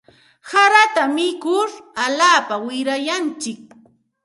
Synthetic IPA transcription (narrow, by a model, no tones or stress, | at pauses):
saɾat̪amɪkʊɾaʎaːpawɪɾajant͡ʃɪk̚